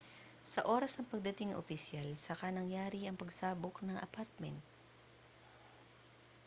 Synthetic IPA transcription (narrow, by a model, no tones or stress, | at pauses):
sɐʔo̞ːɾɐsnɐŋpɐɡ̚d̪ɐt̪ɪŋʔo̰fɪsjalsɐkanɐŋjaːɾiʔɐŋpɐɡsaːboknɐŋʔɐ̰paɾt̪̚mɛnt̪̚